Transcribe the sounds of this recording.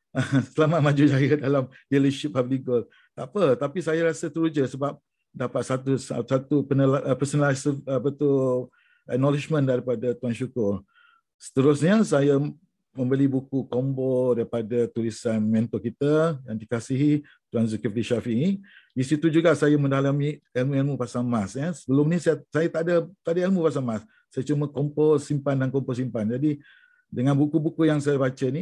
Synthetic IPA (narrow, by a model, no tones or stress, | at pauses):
əsəlamat̪̚mãd͡ʒud͡ʒajadalamliləʃip̚abliɡol | t̪apət̪apisajaɾasət̪əɾud͡ʒəsəbap̚ | dapat̪̚sat̪usasat̪upənəlʔpəsənasəpət̪u | ʔək̚nɔlit͡ʃmə̃ndaɾipadat̪uanʃukʊr | sə̥t̪əɾʊsɲəsaja | mə̃mbəlibukukombɔdaɾipadat̪ulisanmɛnt̪ɔkit̪ajaŋdikasiɦi | t̪uanzəkifdiʃafinidisit̪ud͡ʒuɡaʔsajamə̃ndalamiɛlmuɛlmupasaŋmasɲasəbəlʊmnisajsajat̪adat̪adaelmupas̬aŋmasː | ajat͡ʃuməkɔmposimpandankɔmpɔsimpand͡ʒadi | dəŋãnbukubukujaŋsajabat͡ʃəni